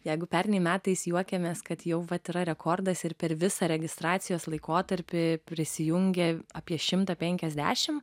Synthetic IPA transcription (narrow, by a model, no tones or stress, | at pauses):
jɛɪɡʊpʲæɾʲnʲɛɪmʲæːt̪ɐɪsjuɔkʲɛmʲeːskɐt̪jɛʊʋɐt̪ɪɾɐɾʲɛkʰoːrd̪ɐsɪɾpʲɛɾʋʲɪsɐɾʲɛɡʲɪst̪ɾɑːt̪sʲɪjoːslˠɐɪkoːt̪ɐɾʲpʲɪpʲɾʲɪsʲɪjʊŋʲɡʲɛɑpʲiɛʃʲɪmt̪ɐpʲɛŋʲkʲɛzʲd̪ʲæ̰ːʃʲɪm